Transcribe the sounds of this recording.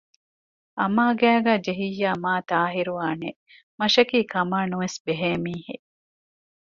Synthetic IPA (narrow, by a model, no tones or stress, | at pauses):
ʔɐmaːɡæːɡæːd͡ʒeɦijːaːmaːt̪aːɦiɾuaːnḛ | mɐʃɐkiːkɐmaːnuʋesbeɦeːmiːhe